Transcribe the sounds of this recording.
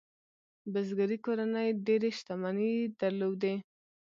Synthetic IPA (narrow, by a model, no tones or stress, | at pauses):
bazɡaɾikoɾanəjɖeɾeʃt̪amanid̪aɾlowd̪e